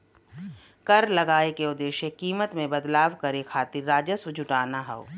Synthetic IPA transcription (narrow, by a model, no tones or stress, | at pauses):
kɐɾlɐɡaːekeʊd̪eːʃekiːmət̪mẽbɐd̪laːʋkɐɾekʰaːt̪iɾːaːd͡ʒəsʋəd͡ʒʱʊʈaːnaɦɛo̰